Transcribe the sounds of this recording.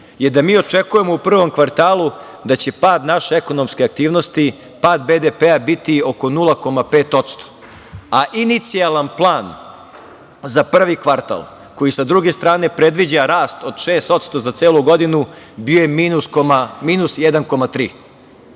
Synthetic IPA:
jed̪amiːo̞t͡ʂe̞kuje̞mo̞upr̩ʋo̞mkʋaɾt̪aːlˠu | d̪at͡ɕe̞paːd̪naʃeeko̞nomskeak̚t̪iːʋnost̪i | paːd̪bed̪epeabit̪io̞ko̞nulˠako̞mapeːt̪o̞t̪st̪o̥ | aʔinit̪sijalanplˠaːn | zapr̩ʋikʋaɾt̪a̰lˠ | ko̞jisad̪ɾuɡe̞st̪ɾaːne̞pɾe̞d̪ʋid͡ʑaɾaːst̪o̞d̪̥ʃeːst̪o̞t̪st̪o̞zat̪seːlˠuɡo̞d̪inu | biojemiːnuskomamiːnusjɛd̪anko̞mat̪ɾḭː

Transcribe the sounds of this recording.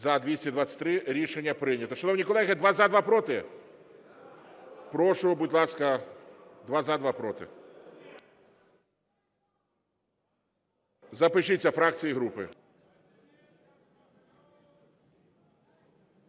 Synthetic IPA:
zɐd̪ʋʲisʲtʲid̪ʋat͡sʲːɐ̥t̪ʲɾɪɾʲiʃenʲːɐpɾɪjnʲɐt̪ɔʃɐnɔwnʲikɔlˠɛɦɪd̪ʋɑzɐd̪ʋɑpɾɔt̪ɪ | pɾɔʃʊɔbudʲlˠɑskɐ | d̪ʋɑzɐd̪ʋɑpɾɔt̪ɪ̰ | zɐpɪʃɪt͡sʲːɐfɾɑk̚t͡sʲijiɦɾupɪ

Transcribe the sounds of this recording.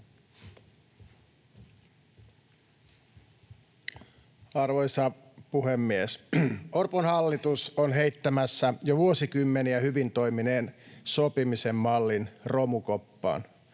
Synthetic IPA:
ɑrʋojsɑ | puhemːiesorponhɑlːit̪usonɦe̞it̪ːæmæsːæjoʋuosikymːeniæhyʋint̪o̞jmineːnsopimisemːɑlːinro̞mukopːɑ̰ːn

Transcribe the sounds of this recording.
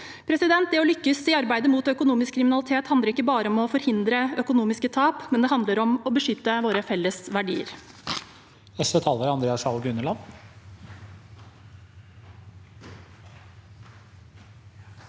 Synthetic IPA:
pʰɾɛsɪd̪ɛnt̪̚d̪ɛɔlʏkːəsɪɑɾbæɪd̪əmuːt̪œkʊnuːmɪskʰɾɪmɪnɑlɪt̪ʰeːt̪hɑnd̪əɾɪkːəbɑːɾəɔmɔfɔɾhɪnd̪ɾəœkʊnuːmɪskət̪ʰɑːpmɛnd̪ɛɦɑnd̪ləɾɔmɔbəʂʏt̪ːəʋoːɾəfɛlːəsʋæɖḭːə̰ɾ | ɛsʋɛt̪ʰɑːləɾɑnd̪ɾeːɑsɑlɡɾʉnəlɑn

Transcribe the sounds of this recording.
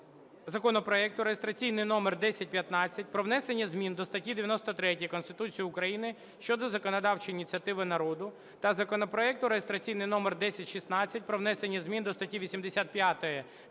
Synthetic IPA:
zɐkɔnɔpɾɔɛkt̪ʊɾejest̪ɾɐt͡sʲijnɪjnɔmerd̪ɛsʲɐt̚ʲpʲjɐt̪nɑt͡sʲːɐt̚ʲpɾɔʋnɛsenʲːɐzʲmʲind̪ɔst̪ɐtʲid̪eʋʲjɐnɔst̪ɔt̪ɾɛtʲjikɔnst̪ɪt̪ut͡sʲijiʊkɾɐjinɪ | ʃt͡ʃɔd̪ɔzɐkɔnɐd̪ɑwt͡ʃɪjinʲit̪ʲt͡sʲɐt̪ɪʋɪnɐɾɔd̪ʊ | t̪ɐzɐkɔnɔpɾɔɛk̚t̪ʊɾejest̪ɾɐt͡sʲijnɪjnɔmerd̪ɛsʲɐtʲʃisnɑt͡sʲːɐtʲpɾɔʋnɛsenʲːɐzʲmʲind̪ɔst̪ɐtʲiʋʲisʲimd̪esʲat̪̚pʲjat̪ɔjɛ

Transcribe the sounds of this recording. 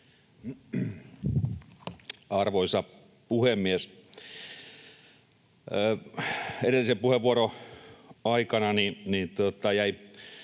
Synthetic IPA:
ɑrʋoisɑ | puhemːies | edelːˑisepuheʋʋuoro | ɑikɑnɑninit̪uot̪ɑjæi

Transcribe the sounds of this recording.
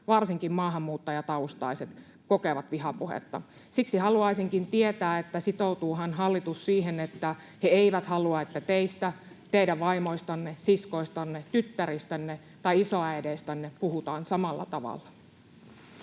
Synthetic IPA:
ʋɑrsiŋkimmɑːɦɑmːuːt̪ːɑjɑt̪ɑust̪ɑ̰iset̪ | kokeʋɑt̪ʋiɦɑpuhḛt̪ːɑ̰ | siksihɑluɑisiŋkint̪iet̪æːet̪ːæsit̪out̪uːɦɑnɦɑlːit̪ussiːɦenet̪ːæ | heeiʋæt̪hɑluɑet̪ːæt̪eist̪æ | t̪eidæʋʋɑimo̞ist̪ɑnːesisko̞ist̪ɑnːet̪yt̪ːæɾist̪ænːe | t̪ɑiisoɑæjdest̪ænːepuhut̪ɑːnsɑmɑlːɑ̰t̪ɑʋɑ̰lːɑ

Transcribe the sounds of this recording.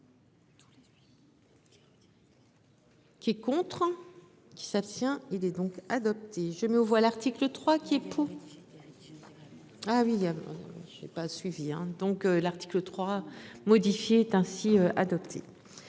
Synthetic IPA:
kʲiɛkɔ̃t̪χ | kʲi̥sapst̪jɛ̃ilɛd̪ɔ̃kad̪ɔp̚t̪eʒəmɛovwalaʁt̪iklət̪χwakʲiɛpʰuʁ | awiã̰ʒɛ̰pasɥiviɛ̰̃d̪ɔ̃kølaʁt̪i̥klət̪χwamɔd̪ifjeːt̪ɛ̃siøa̰d̪ɔpt̪ʰḛ

